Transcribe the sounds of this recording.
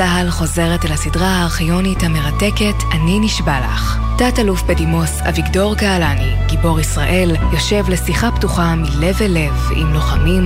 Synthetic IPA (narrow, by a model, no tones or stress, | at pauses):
aɦalχo̞ze̞ʁetelasidʁaaːχijo̞nithame̞ʁate̞ke̞tʰaniniʃbala̰χ | tatalufbedimo̞sa̰vikdo̞ʁkaːlaniɡibo̞ʁisʁaʔe̞ljo̞ʃe̞vle̞siχaptuχamile̞vele̞v | ḭmloχamim